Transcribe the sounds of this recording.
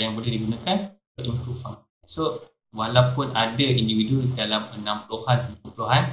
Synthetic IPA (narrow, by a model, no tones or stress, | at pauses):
jaŋbəlehdiɡunakan | əʔimpɾufa̰ŋ | so | walawpʊnadaindividudalamənãmpəluhant̪ikupluɦan